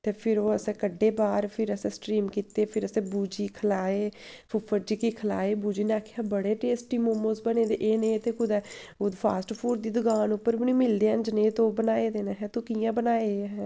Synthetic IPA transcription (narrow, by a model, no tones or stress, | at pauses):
t̪eːpʰɪɾoːəsɛ̃ːkəɖːeːbaːɾpʰɪɾəsẽːsʈɾiːmkiːt̪eːpʰɪɾəsẽːbuːd͡ʒiːkʰəlaːeːpʰʊfʰəd͡ʒiːkiːkʰəlaːeːbuːd͡ʒiːnaːkʰeaːbəɽeːʈeːsʈiːmoːmoːsbəneːd̪eʔeːnẽːt̪eːkʊd̪ɛːoːd̪pʰaːsʈpʰuːɾd̪iːd̪əɡaːnʊpːəɾbɪnĩːmɪld̪eãnd͡ʒnẽːt̪õːbənaːeːd̪eːneɦɛːt̪õːkijãːbənaːeːɦɛː